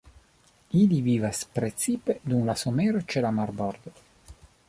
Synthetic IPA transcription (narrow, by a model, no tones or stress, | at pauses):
iliviːvaspɾet̪siped̪umlasomeɾt͡ʃelamarbɔrd̪